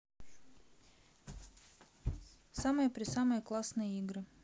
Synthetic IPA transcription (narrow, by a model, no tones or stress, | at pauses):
samɐjpʲɾʲɪsamɨjklˠasnɨjiːɡɾɨ